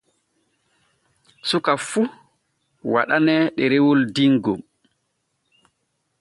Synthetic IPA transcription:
sukafu | wa̰ɗanɛɗɛɾɛwɔldiŋɡɔm

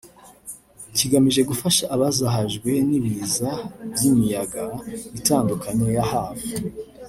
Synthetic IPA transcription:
ciɡamiʒe̞ɡufaʃaʔːβazaɦaʒɡwe̞niβizavjimijaɡaitaːndukʰaɲo̞jahaːvu

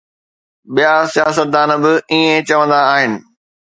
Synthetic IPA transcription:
ɓijasijaːsət̪̚d̪aːnə̆bɪiːẽt͡ɕɐʋə̃nd̪aːɦɪnɪ̆

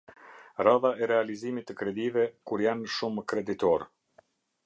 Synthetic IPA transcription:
raðaɛɾɛalizimit̪ːəkɾɛd̪ivɛkuɾjanʃumkɾɛd̪it̪ɔɾ

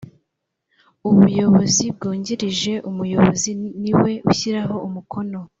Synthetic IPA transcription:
uβujo̞βo̞zib̚ɡoːɲɟiɾiʒe̞ʔumujo̞βo̞ziniwe̞ʔuçiɾaɦo̞umukʰo̞no̞

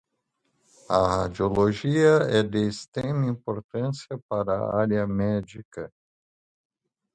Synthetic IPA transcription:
ɐhad͡ʒioloʒiɐɛd̪eːst̪ɾẽmĩpoɾt̪ɐ̃sijɐpaɾɐ̰aɾjɐmɛd͡ʒikɐ

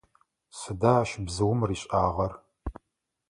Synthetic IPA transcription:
sɨdaːʃbzɨwʊmriːɕʼaːʁɐr

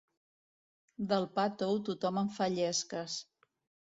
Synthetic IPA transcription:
d̪əlˠpat̪owt̪ut̪ɔməɱfaʎɛskəs

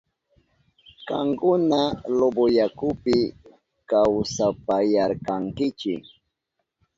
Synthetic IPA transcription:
kaŋkʊnalobojakʊpɪ | kawsapajaɾkaŋkɪt͡ʃɪ̰k

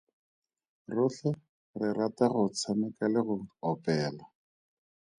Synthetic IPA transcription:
rʊɬɛ | rɪrataχʊt͡sʰamɪkalɪɣʊɔpɛːla

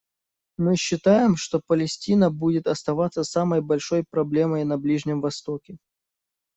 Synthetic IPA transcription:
mɨɕːɪt̪ajɪmʂt̪o̞pəlʲɪsʲtʲinəbudʲɪt̪ɐst̪ɐvat̪sːəsaməjbɐlʲʂo̞jpɾɐblʲe̞məjnɐblʲiʐnʲɪmvɐst̪o̞kʲɪ

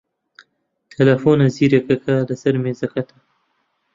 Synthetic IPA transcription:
t̪ʰelafonaziɾekakalasaɾmezakat̪a

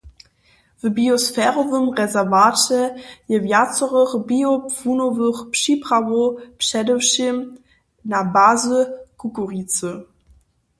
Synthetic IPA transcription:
vəbiosfɛːʁɔvəmʁɛzɛɐvaːtəjəvjat͡sɔʁəʁbiopfunovəχpʃipʁ̥avopʃɛdəwʃim | nabaːzəkukoʁit͡sə

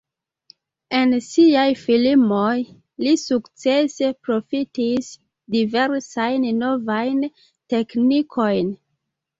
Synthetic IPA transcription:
ensiajfilimoj | lisukt͡sespɾofitis | diveɾsajnnovajn | teknikʰojn

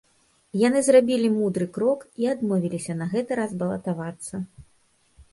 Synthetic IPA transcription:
jan̪ɨzrabʲilʲimud̪ɾɨkɾɔkiad̪mɔvʲilʲisʲɐnɐɣɛt̪ɨɾazbɐlˠɐt̪avat̪sːɐ

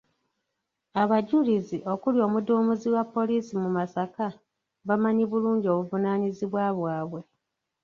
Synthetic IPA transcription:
aβaɟuliziʔo̞kuljo̞ːmuduːmuziwapːo̞liːsimumasaka | βamaɲiβuluːɲɟio̞βuvunaːɲiziβwaβwaːβwe̞

